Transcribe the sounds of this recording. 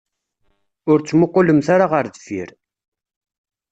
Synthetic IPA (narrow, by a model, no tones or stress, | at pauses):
ʊɾt͡sːmʊqːʊləmθaɾaʁəɾðəfḭɾ